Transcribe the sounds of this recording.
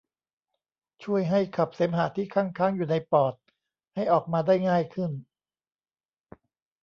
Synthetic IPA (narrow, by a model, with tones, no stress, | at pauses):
t͡ɕʰu˥˩əjɦa˥˩jkʰa˨˩p̚seː˩˦mɦaː˩˦t̪ʰiː˥˩kʰaː˥˩ŋkʰaː˥˩ŋjuː˨˩na˧jpɔː˨˩t̪̚ | ha˥˩jʔɔː˨˩k̚maː˧daː˥˩jŋaː˥˩jkʰɯ˥˩n